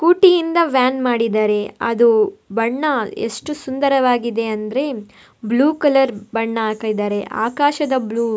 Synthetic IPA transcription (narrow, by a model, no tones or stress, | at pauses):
kuːʈijind̪ɐʋjaːnmaːɽid̪aːɾe̞ɐ̰d̪ubɐɳːɐḛʂʈusund̪ɐɾɐʋaːɡid̪e̞ɐnd̪ɐɾe̞ | bluːkɐlɐɾbɐɳːɐaːkɐd̪aːɾeʔa̰ːkaːʃɐd̪ɐbluː